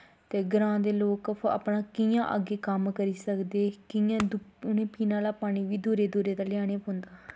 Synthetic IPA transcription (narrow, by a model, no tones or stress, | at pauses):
t̪eːɡəɾãːd̪eːloːkpə̰pɳãːkijãːʔə̰ɡeːkəmkəɾiːsəkd̪eːkɪãːd̪ʊnẽːpiːnãːlaːpaːɽ̃iːʋiːd̪oːɾeːd̪oːɾeːt̪aːlɪjaːɽ̃eːpõnd̪aː